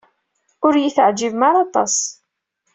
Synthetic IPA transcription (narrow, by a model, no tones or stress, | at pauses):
ʊɾjiθʕd͡ʒivmaɾˤɑt̪ˤɑ̰sˤ